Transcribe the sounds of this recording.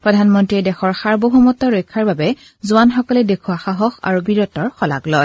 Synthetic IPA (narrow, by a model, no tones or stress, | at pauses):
pɹɔdʱanmɔntɹidɛxɔɹxaɹboɦumɔtɔɹojkʰːaɹbabɛ | zʊanxɔkɔlɛdekʰuaxaɦɔxa̰ɹubiɹɔtɔɹxɔla̰ɡlɔj